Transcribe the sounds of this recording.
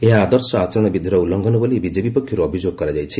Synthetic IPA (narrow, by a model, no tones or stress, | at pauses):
eɦãːd̪ʌɾsɔat͡ʃɔɾɔɽ̃ɔbid̪ʱiɾɔulːɔŋɡɔnɔbʌlibid͡ʒebipɔkʰjoɾoʌbʱid͡ʒjoɡ̚kːɔɾad͡ʒajt͡ʃʰi